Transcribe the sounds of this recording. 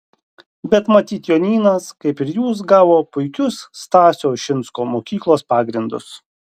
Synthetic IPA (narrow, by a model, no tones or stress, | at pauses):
bʲɛt̪mɐt̪ʲiːt̪joːnʲiːnɐskɐɪpɪɾjuːs̬ɡɑːʋoːpʊɪkʲʊsːt̪ɑːsʲoːʃʲɪnˑskoːmoːkʲiːklˠoːspɑːɡɾʲɪnd̪ʊ̰s